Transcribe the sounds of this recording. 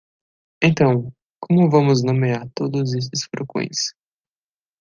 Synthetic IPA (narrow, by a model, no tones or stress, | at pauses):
ẽnt̪ɐ̃w̃ | kõmʊvɐ̃mʊznõmeaɾt̪od̪ʊzes̬ɪsfɾokõ̰j̃s